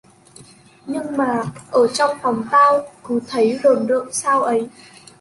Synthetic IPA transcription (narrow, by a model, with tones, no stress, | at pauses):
ɲɨ˧ŋmaː˨˩ʔəː˧˩t͡ɕɔ˧wŋ͡mfɔ˨˦wŋ͡mt̪aː˧wku˨˦t̪ʰə˨˦jzo˨˩nɗə̰ː˧˨ŋsaː˧wʔə˨˦j